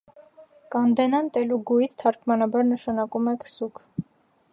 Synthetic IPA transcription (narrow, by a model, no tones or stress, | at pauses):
kɑnd̪ɛnɑnt̪ɛluɡujit͡sʰt̪ʰɑɾkʰmɑnɑbɑɾnəʃɑnɑkumɛkʰsukʰ